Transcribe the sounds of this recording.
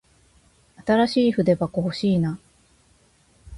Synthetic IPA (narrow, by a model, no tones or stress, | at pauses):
at̪aɾaɕiːɸɯ̟d̪e̞bakoho̞ɕiːna